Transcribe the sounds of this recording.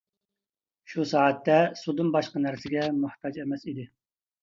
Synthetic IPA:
ʃusɑːɛt̪ːɛsud̪ɨnbɑʃqənæɾsɪɡʲɛmʊht̪ʰɑd͡ʒɛmɛsid̪ɪ

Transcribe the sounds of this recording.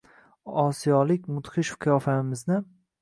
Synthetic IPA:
ɒsijɒlɪk̚ʲmʊt̪χɪʃʊ̥fkʲʰjɒfamɪznɪ

